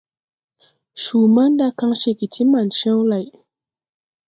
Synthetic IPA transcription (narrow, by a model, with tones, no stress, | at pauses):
ʃu˨ma˦nda˦ka˦ŋʃe˨ki˨ti˦ma˨nʃa˦wla˨j